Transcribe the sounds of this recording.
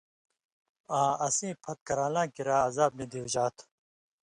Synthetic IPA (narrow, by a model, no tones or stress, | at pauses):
ãːɐsĩːpʰɐt̪̚kɐɾaːlãːkiɾaːɐzaːb̚nĩd̪iwʑaːt̪ʰ